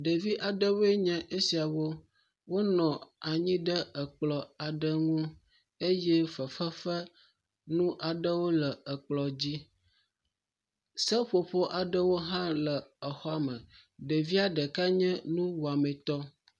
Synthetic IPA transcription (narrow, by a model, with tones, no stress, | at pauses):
ɖe˨vi˦ʔa˨ɖə˦wo˦e˦ɲɛ̃˦ʔe˦si˨a˨wo˦ | wo˦nɔ̃˨a˨ɲĩ˦ɖə˦ə˨k͡plɔ˨a˨ɖə˦ŋũ˦ | e˦jɛ˦fə˨fə˦fə˦ | nũ˦ʔa˨ɖə˦wo˦lə˨ə˨k͡plɔ˨d͡ʑi˦ | sə˦ɸo˨ɸo˦ʔa˨ɖə˦wo˦ɦã˦lə˨ə˨xɔ˦a˦mə̃˨ | ɖə˨vi˦a˨ɖə˨ka˦ɲɛ̃˦nũ˦wo˨a˨mẽ˨t̪ɔ˦